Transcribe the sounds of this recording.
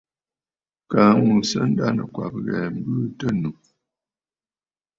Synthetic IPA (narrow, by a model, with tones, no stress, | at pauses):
kaː˨˦mu˨sə˦n̩˦da˦˨nə˨kwa̰˨p̚ɣɛː˨m̩˦bɨ˦tə˦nu˨